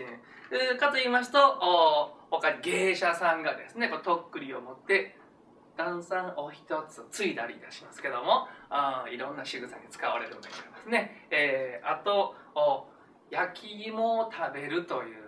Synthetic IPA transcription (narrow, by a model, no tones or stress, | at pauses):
inẽ | ɯkat̪o̞iːmas̬ɨ̥t̪o̞ː | hokaɲ̟iɡe̞ːɕasãŋɡad̪e̞sɨne̞kot̪o̞kːɯ̟ɾʲio̞mo̞t̪ːe̞ | d̪̥ãɰ̃sãŋo̞çi̥t̪o̞t͡sɨt͡sɨid̪aɾʲid̪aɕimasɨ̥ke̞d̪o̞mo̞ãiɾõ̞nːaɕɨɡɯ̟sã̰ɲ̟ːit͡sɨ̥kaβaɾe̞ɾɯ̟mo̰naid̪esɨne̞eːat̪o̞ː | jakʲʰimo̞t̪ʰabe̞ɾɯ̟t̪o̞jɯ̟ː